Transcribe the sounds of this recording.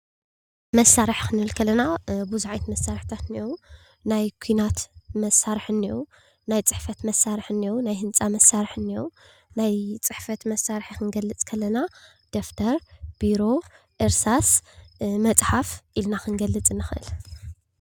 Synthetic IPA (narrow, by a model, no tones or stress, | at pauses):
mɐsːaɾɨħxɨnɨɨlkʰɐlːɐnabuzuʕajt̪mɐsːaɾħt̪ʰat̪nio | najkʷʰuinat̪mɐsːaɾħɨnːio | najt͡sʼɨħfɐt̪mɐsːaɾɨħɨnːijonajɦɨnt͡sʼamɐsːaɾɨħɨnːijo | najt͡sʼɨħfɐt̪mɐsaɾħikɨnɡɐlːɨt͡sʼkʰɐlːɐna | d̪̥oft̪ʰɐɾb̥iɾo̞ | ʔɨɾsas | mɐt͡sʼħafʔilnaxɨnɡɐlːɨt͡sʼɨnːɨxʔɨ̰l